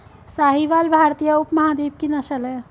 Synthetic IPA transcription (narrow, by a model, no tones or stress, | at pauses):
saɦiʋalbʱaɾt̪ijəupmɐɦad̪eb̚kinəʃəle